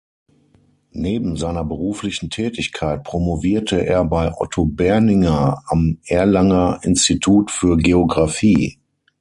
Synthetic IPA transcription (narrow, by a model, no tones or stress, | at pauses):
neːbm̩zaɪnɐbəʁuːflɪçn̩tʰɛːtɪçkʰaɪt̚pʁ̥omoviːɐtʰəʔḛːɐbaɪʔɔ̰tʰobɛɐnɪŋɐamʔɛːɐlaŋɐɪ̰nstitʰuːtfyːɐɡeoɡʁafiː